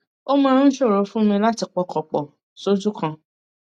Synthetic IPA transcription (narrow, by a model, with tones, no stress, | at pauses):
o˦mãː˦˧ɾ̃ʃo˦˨ɾo˨˦fũ˦mĩ˧la˦ti˧k͡pɔ˧kɔ˨k͡pɔ˨ | so˦d͡ʒu˦kã˧